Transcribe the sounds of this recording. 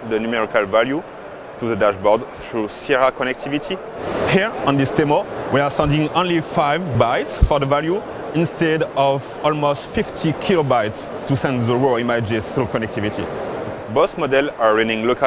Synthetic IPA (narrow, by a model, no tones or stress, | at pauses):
ðənumɛɹikalvalju | t̪uðədaʃbɔdθɹusiɹakɔnɛk̚t̪ʰivitʰi | hiɹɔ̃nd̪istemɔwiasɛ̃ndĩŋɔ̃nlifajvbaɪtsfɔðəvalju | ĩnstʰɛdɔv | ɔlmostfiftʰikʰilobajts | tusɛ̃ndziɹoimad͡ʒɪz̥θɹukɔnɛk̚t̪ʰivitʰḭ | bɔsmɔdɛlaɹɛ̃nĩŋlokʰa